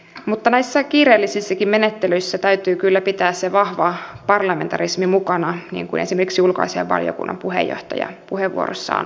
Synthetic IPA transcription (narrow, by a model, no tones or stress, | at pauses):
mut̪ːɑnæisːækiːreːlːisisːækimmenet̪ːelyisːæt̪æyt̪yːkylːæpit̪æːsseʋɑhʋɑpɑrlɑment̪ɑrismimukɑnɑnḭːŋkuḭnesimerkiksiulko̰isḛʋʋɑ̰ljo̰kṵnːɑ̰mpuhḛjːo̰ht̪ɑ̰jɑ̰puheʋːṵo̰ro̰sːɑ̰ːn